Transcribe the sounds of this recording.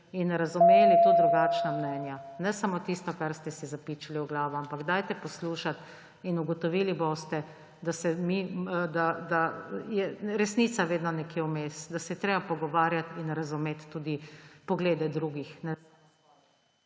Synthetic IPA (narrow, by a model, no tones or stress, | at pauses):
inɾazumeːlit̪od̪ɾuɡaːt͡ʃnamnɛnjanɛsamot̪ist̪ɔkaɾst̪ɛsizapit͡ʃiliwɡlaːʋɔampaɡd̪ajt̪ɛpɔsluːʃat̪ | inuɡɔt̪ɔʋiːliboːst̪ɛ | d̪asɛmid̪ad̪ajɛɾɛsnit̪saʋeːd̪nɔnɛkjeʊmeːsd̪asɛɛt̪ɾeːbapɔɡɔʋaːɾjat̪inɾazumeːt̪ːud̪ipɔɡleːd̪ɛd̪ɾuɡixnɛ